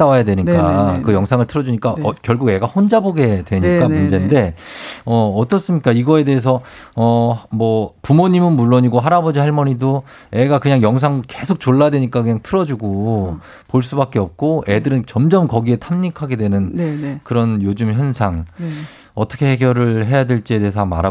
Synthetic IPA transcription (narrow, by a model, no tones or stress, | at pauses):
t͈awajadwe̞ɲik͈akɯjʌŋsʰaŋɯɭtʰɯɾʌd͡ʑuɲik͈akjʌɭɡuɡe̞ɡahond͡ʑaboɡe̞dwe̞ɲikk͈ammund͡ʑe̞nde̞ʌːt͈ʌs͈ɯmɲik͈aiɡʌede̞es̬ʰʌ | ʌmwʌpumoɲimɯnmuɭːoɲiɡoɦaɾabʌd͡ʑiɦaɭmʌɲido | e̞ɡakɯɲaŋjʌŋs̬ʰaŋke̞sʰok̚t͡ɕoɭːadwe̞ɲik͈akɯɲaŋtʰɯɾʌd͡ʑuɡo | poɭs͈ubak͈e̞ʌp̚k͈oe̞dɯɾɯnt͡ɕʌmd͡ʑʌmkʌɡie̞tʰamɲikʰaɡe̞dwe̞nɯnkɯɾʌnjod͡ʑumçjʌnsʰaŋ | ʌt͈ʰʌ̥kʰe̞heɡjʌɾɯɭɦe̞jadwe̞ɭt͡ɕ͈ie̞de̞es̬ʰʌma̰ɾa